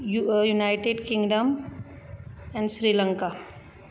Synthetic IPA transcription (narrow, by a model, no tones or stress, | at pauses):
jujunaɪʈeɖkĩŋɡɖəm | ɛ̃ɳɖsɾilə̃ŋka